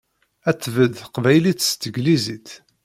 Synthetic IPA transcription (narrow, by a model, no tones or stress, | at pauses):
æt͡sːvəðqvæjlit̪ːst̪əɡlizit̪